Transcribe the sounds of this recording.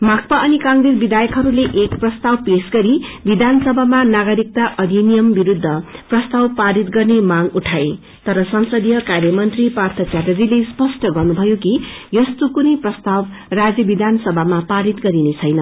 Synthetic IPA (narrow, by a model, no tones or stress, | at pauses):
mak̚paʔʌnikãŋɡɾid͡zbid̪ʱajʌkɦʌɾuleʔekprʌst̪awpesɡʌɾibid̪ʱansʌbʱamanaɡʌɾik̚t̪aʔʌd̪ʱinijʌmbiɾud̪ʱːʌprʌst̪awpaɾit̪ɡʌrnemaɡuʈʰae | t̪ʌɾʌsʌnsʌd̪jʌkarjʌmʌnt̪ripart̪ʰʌt͡sarjʌd͡zilespʌsʈʌɡʌrnubʱʌjokijʌst̪okunʌjprʌst̪aw | rad͡zjʌbid̪ʱansʌbʱamapaɾit̪ɡʌɾinet͡sʰʌjnʌ